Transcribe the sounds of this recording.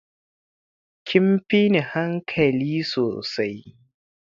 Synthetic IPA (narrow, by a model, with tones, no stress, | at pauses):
kʲʰɪ˦mɸi˦ne˨ha˦ŋkʰɐ˨liː˦soː˨sa˦j